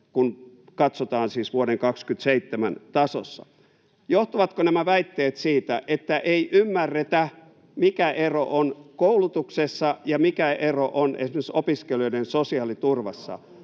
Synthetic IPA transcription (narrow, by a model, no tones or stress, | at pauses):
kun | kɑt̪sot̪ɑːnsiːsʋuoɾeŋkɑkskyt̪seit̪ːemænt̪ɑso̰sːɑ̰ | joht̪uʋɑt̪konæmæʋæit̪ːeːt̪siːt̪æʔet̪ːæʔeiʔymːærːet̪æ | mikæʔeroʔonkoulut̪uksesːɑjɑmikæʔeroʔonḛsimesesopiskelioidensosiɑlit̪urʋɑsːɑ̰